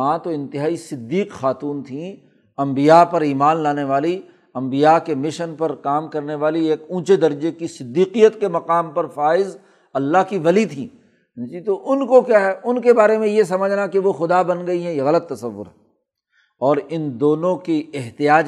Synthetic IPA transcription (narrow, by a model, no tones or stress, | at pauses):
ãt̪oɪ̃nt̪ɪɦaːisɪd̪ːiːqxaːt̪uːnt̪ʰĩ | ɐ̃mbijapɐɾiːmaːnlaːneʋaːli | ɐ̃mbijakemɪʃənpɐɾkaːmkɐɾneʋaːlieːkũːt͡ʃed̪ɐɾd͡ʒekisɪd̪ːiːqijət̪kemɐqaːmpɐɾfaːɪz | ɐlːaɦkiʋɐlit̪ʰĩː | d͡ʒit̪oʔʊnkokjaːɦɛʊnkebaːɾemẽjes̬ɐməd͡ʒʱnakeʋoxʊd̪abɐnɡɐiɦɛ̃jeɣɐlət̪ːɐsɐʋːʊ̰ɾɦɛ | ɔːɾɪnd̪oːnõkiɪɦt̪ɪjaːd͡ʒ